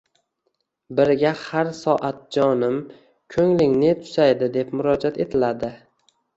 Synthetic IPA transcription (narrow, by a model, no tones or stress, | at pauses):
bɪɾɡʲahaɾsɒʔat̪̚d͡ʒɒnɪm | kʲʰɵŋlɪŋne̞t̪ʰʊ̥sajd̪ɪd̪e̞pmʊɾɒd͡ʒat̪e̞t̪ʰɪlad̪ɪ